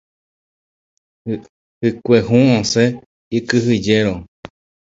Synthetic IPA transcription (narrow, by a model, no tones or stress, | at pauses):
hɨkʷeɦũõse | ikɨɦɨd͡ʒeɾo